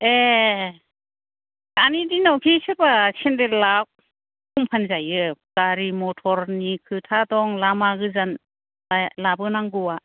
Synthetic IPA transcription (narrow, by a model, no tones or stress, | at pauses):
e | anidinawkʰisɯɾbasendelak̚ | kumpʰanzajɯɡ̥aɾimɔtʰɔɾnikʰɯtʰadɔŋlamaɡɯzan | labɯnaŋɡɯwa